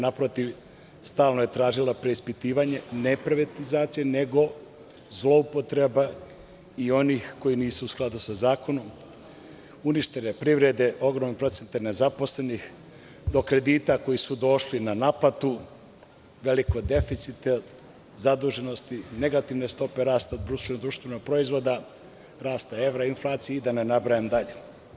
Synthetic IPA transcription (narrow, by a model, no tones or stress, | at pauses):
napɾot̪iʋ | st̪aːlnoje̞t̪ɾaːʒilapɾe̞ispit̪iːʋaɲe̞ne̞pɾeʋat̪izaːt̪sijene̞ɡo̞ | zlo̞upo̞t̪ɾeba | io̞nixko̞jiniːsuːsklˠad̪usazaːko̞no̞m | uniʃt̪e̞nepɾiʋɾe̞d̪e̞ʔo̞ɡɾomnepɾo̞t̪sent̪ene̞zapo̞sle̞nix | d̪o̞kɾe̞d̪iːt̪ako̞jisud̪o̞ʃlinanaplat̪u | ʋe̞liko̞d̪e̞fit̪sit̪e | zad̪uːʒe̞no̞st̪ine̞ɡat̪iʋne̞st̪o̞pe̞ɾaːst̪ad̪ɾuʃt̪enod̪ɾuʃt̪ʋenoɡ̚pɾo̞izʋo̞d̪a | ɾaːst̪ae̞ʋɾainflˠaːt̪sijeid̪anenabɾajemd̪aʎe